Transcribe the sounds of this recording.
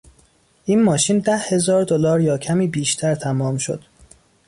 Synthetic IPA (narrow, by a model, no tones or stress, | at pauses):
ʔiːnmɒːʃiːnd̪æhhe̞zɒːɾd̪olɒːɾjɒːcʰæmiːbiːʃt̪ʰæɾt̪ʰæmɒːmʃo̞̰d̪̥